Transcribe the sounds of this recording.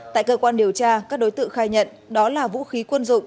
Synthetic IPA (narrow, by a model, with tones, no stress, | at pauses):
t̪a̰ː˧˨jkəː˧kwaː˧nɗi˨˩əwt͡ɕaː˧kaː˦˥k̚ɗo˨˦jt̪ɨ̰˧˨xaː˧jɲə̰˧˨n | ɗɔ˨˦laː˨˩vṵ˧˥xi˨˦kwə˧nzʊ̰˧˨ŋ͡m